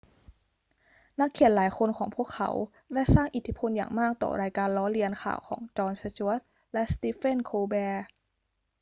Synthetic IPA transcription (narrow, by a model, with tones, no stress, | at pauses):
na˦˥kʰːi˨˧˩ə˦nlaː˩˦jxʰo˧nkʰɔː˩˦ŋpʰu˥˩əkʰːa̰˩˦w | lɛ˦˥˩saː˥˩ŋʔi˨˩t̪ʰi˦˥pʰo˧nja̰ː˨˩ŋmaː˥˩k̚t̪ɔ̰ː˧˩ɾaː˧jkaː˧nlɔː˦˥li˧ənkʰa̰ː˨˩wkʰɔː˩˦ŋt͡ɕɔː˧nsa˧t͡ɕu˧˦˥ət̪̚ | lɛ˦˥st̪iː˦˥fe˥˩nkʰoː˧bɛː˧